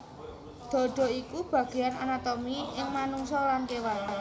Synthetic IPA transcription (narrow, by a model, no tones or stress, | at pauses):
d̪̥ɔ̤ɖ̥ɔ̤ikub̥ä̤ɡ̥e̤jananat̪ɔmiɪŋmanuŋsɔlankewata